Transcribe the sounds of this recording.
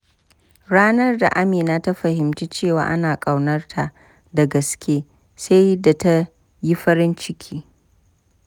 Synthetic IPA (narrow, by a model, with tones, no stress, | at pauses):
ɽaː˦nɐ˦rda̰˨ʔa˦meː˨naː˦ta˦ɸɐ˨hɪ˨mt͡ʃiː˦t͡ʃeː˦˨wa̰ː˨ʔa˦naː˨kʼɐ˨wnɐ˦rtʰa˨ʔ | da˨ɡɐ˨skʲʰeː˦ | sa˦jda˨ta˦ | ji˦ɸɐ˦ɾɪ˦nt͡ʃɪ˦kʲʰiː˦